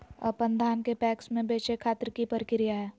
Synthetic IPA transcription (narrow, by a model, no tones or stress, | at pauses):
ɔ̰pə̃nd̪ʱaːnkepɛːksmẽbeːt͡ʃekʰaːt̪ɾkipəɾɪkɾɪjaɦɛː